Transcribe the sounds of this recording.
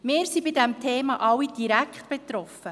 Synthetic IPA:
mɪːɾsibidɛmtʰeːmɑʔɑwid̥iɾækχtb̥et̪ɾɔfə

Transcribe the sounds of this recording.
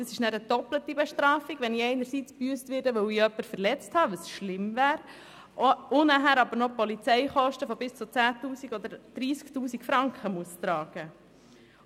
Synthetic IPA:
d̥ɑsɪʃnæːɾəd̥ɔplət̪ibɛʃtɾɑːfiɡʋɛnɪɛɪnəɾsiːt͡sb̥yːstʋɪːɾdəʋœwiœpːəɾfəɾlɛt͡sthɑːʋəsʃlɪmvæːɾ | ʊnæɦæɾɑbəɾnɔpɔlit͡sɛɪχɔʃtəfɔbɪst͡sʊt͡sæːt̪uːsiɡɔd̪əɾd̥ɾiːsktuːsiɡfɾɑŋkχəmuəst̪ɾɑːɡ̥ə

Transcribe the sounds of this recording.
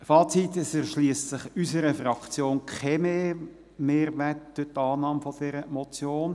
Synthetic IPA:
fɑːt͡sit̪əsɛɾʃliəstsɪχysəɾəfrɑkt͡sjoːnkʰemeː | meːɾʋɛtd̥ytɑːnɑːmfod̥ɛɾəmɔt͡sjoːn

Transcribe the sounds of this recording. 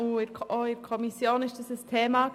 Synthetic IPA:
ʊɪɾʰoɪɾkʰɔmisjoːnɪʃd̥asəstʰeːma

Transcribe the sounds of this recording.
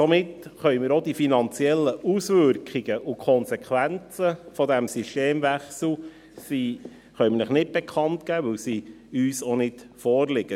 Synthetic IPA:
somɪtχœʏmɪːɾodifinɑnt͡siɛlːəusʋʏɾkχiɡ̥əʔʊkʰɔnsɛkʰʋænt͡səfɔdæmsyʃteːmʋæχsl̩ | siː | χœʏmnəχnɪt̚b̥ɛkʰɑntɡ̥æːʋɵwsi | yːsonɪtfɔːrlɪɡ̥ə

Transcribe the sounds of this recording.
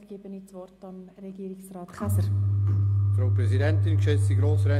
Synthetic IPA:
ɡ̥eːbənit͡svɔrtɑmreɡiːɾɪsraːtχasəɾ | fɾoːpɾɛzidɛntɪnkʃesd̥iɡɾoːsəɾɛ

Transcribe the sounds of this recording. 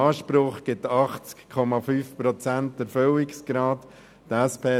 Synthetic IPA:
ɑːʃpɾʊχɡ̥ɪtɑχt͡skkʰɔmɑfyːfpɾɔt͡sæntɛɾføwɪksɡ̥ɾɑːt | tɛspʰeː

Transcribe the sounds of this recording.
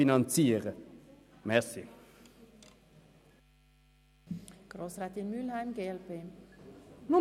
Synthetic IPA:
inɑnt͡siːʁə | mɛsɪ | ɡ̥ɾoːsɾaːt̪ɪnmylhæɪmɡeːɛlpeː | nu

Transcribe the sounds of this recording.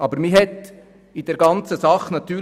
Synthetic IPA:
ɑbəɾmiɦɛt̪ | idɛɾɡɑnt͡səsɑχnɑt̪yː

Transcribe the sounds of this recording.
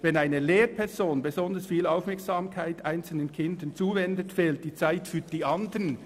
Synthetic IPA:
vɛnaɪnəleːɾpʰɛʁzoːnbezɔndəsfiːlaʊfmɛɐksaːmkʰaɪtʔaɪnt͡sl̩nənkʰɪndənt͡suːvɛndətfɛːlt̚d̥iːt͡saɪtfyːd̥iːʔɑndən

